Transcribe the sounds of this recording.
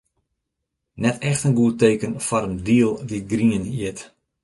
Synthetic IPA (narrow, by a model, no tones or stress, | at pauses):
nɛtɛxtənɡuəteːkənfɔɾəndiəlˠdiɡriəniət